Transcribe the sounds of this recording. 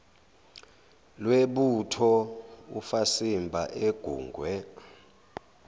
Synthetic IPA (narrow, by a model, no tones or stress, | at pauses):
lweɓutʰɔufasimbʱaʔeɡ̥ʱuːŋɡʱwɛ